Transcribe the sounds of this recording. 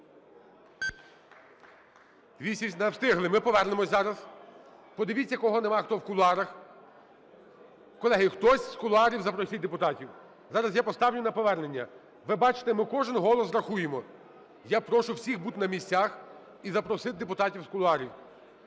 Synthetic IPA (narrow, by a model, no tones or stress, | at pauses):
d̪ʋʲisʲinɐwst̪ɪɦlˠɪmɪpɔʋɛrnemɔsʲzɑɾɐs | pɔd̪ɪʋʲit͡sʲːɐkɔɦɔnemɑxt̪ɔwkʊlˠʊɑɾɐx | kɔlˠɛɦɪxt̪ɔsʲskʊlˠʊɑɾʲiwzɐpɾɔsʲit̪̚ʲd̪epʊt̪ɑtʲiw | zɑɾɐsjapɔst̪ɑwnʲʊnɐpɔʋɛrne̞nʲːɐ̰ | ʋɪbɑt͡ʃɪ̥t̪emɪkɔʒɪnɦɔlˠɔsɾɐxujemɔ | japɾɔʃʊwsʲixbut̪ɪnɐmʲisʲt͡sʲax | izɐpɾɔsɪt̪̚ʲd̪epʊt̪ɑtʲiwskʊlˠʊɑɾʲiw